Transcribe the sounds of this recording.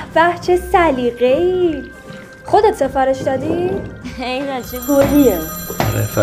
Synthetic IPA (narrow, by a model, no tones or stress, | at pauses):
fæht͡ʃʰesæliɣei | xod̪et̪se̞fɒːɾeʃd̪ɒːd̪i | enat͡ʃʰiɡolieɾḛf